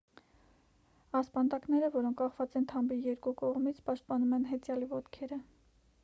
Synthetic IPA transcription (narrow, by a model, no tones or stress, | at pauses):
ɑspɑnd̪ɑknɛɾəvɔɾɔŋkʰkɑχvɑt͡sɛnt̪ʰɑmbijɛɾkukɔʁmit͡sʰpɑʃt̪̚pɑnumɛnɦɛt͡sjɑlivɔt̪kʰɛɾə